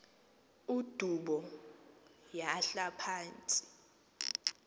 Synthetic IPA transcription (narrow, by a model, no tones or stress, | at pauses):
ud̥ʱuɓɔ | jaɬapʰaːnt͡sʼi̥